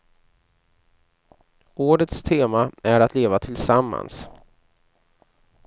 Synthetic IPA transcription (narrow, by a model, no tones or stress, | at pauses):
oːɖət̪st̪ʰeːmaæɾat̪leːvat̪ʰɪlsamːa̰ns